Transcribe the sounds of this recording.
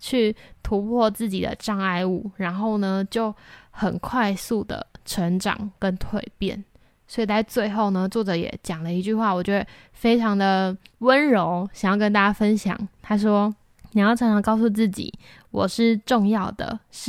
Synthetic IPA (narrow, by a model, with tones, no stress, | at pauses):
t͡ɕʰy˥˩t̪ʰu˧˥pʰwɔ˥˧t͡sɹ̩˥˩t͡ɕi˨˩d̪ə̰˨˦ʈ͡ʂɑ˥˧ŋa˥˧ɪu˥˩ɻa˧˥nxo˥˩ʊnə˩t͡ɕjo˥˩ʊxə˨˩nkʰwa˥˧ɪsu˥˩d̪ə̰˩ʈ͡ʂʰə˧˥ŋʈ͡ʂɑ̰˨˩ŋkə˦nt̪ʰwe˥˧ɪpjɛ̰˥˩n | swi˨˩t͡sa˥˧ɪt͡swe˥˧ɪxo˥˩ʊnə˩t͡swɔ˥˩ʈ͡ʂɤ˧˥jɛ̰˨˩˦t͡ɕjɑ˨˩ŋlə˦i˧˥t͡ɕy˥˧xwa˥˩wɔ˨˩t͡ɕɥɛ˧˥d̪ə˩ | fe˥ɪʈ͡ʂʰɑ˧˥ŋd̪ə˨wə˦nɻo˧˥ʊɕŋjɑ˥˧ʊkə˦nt̪a˥˩t͡ɕja˥˧fə˦nɕjɑ̰˨˩ŋt̪ʰa˥ʂ̬wɔ˥ | ni˨˩jɑ˥˩ʊʈ͡ʂʰɑ˧˥ŋʈ͡ʂʰɑ˧˥ŋkɑ˥˧ʊsu˥˧t͡sɹ̩˥˩t͡ɕḭ˨˩˦ | wɔ˨˩ʂɻ̩˥˩ʈ͡ʂo˥˧ŋjɑ˥˩ʊd̪ə̰˩ʂɻ̩˥˩